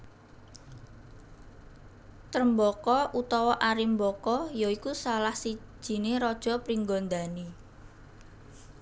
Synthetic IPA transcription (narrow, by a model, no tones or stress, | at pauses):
t̪ɾəmbɔkɔʔut̪ɔwɔʔaɾimbɔkɔjɔikusalahsi̥ʒ̥i̤neɾɔd̥ʒ̥ɔ̤pɾiŋɡɔnd̪ani